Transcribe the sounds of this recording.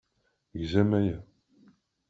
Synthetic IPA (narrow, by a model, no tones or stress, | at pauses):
ʝzæmæjæ